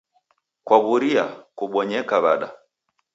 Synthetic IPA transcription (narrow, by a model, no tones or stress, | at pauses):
kwaβuɾia̰kuɓɔɲɛkaβaɗa̰